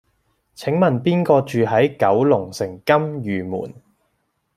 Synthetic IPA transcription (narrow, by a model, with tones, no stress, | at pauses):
t͡sʰɪ˨˥ŋmɐ˨˩npiː˥nkɔː˧t͡ʃyː˨ɦɐ˨˥jkɐ˨˥wlʊ˨˩ŋsɪ˨˩ŋkɐ˥mjyː˨mṵː˨˩n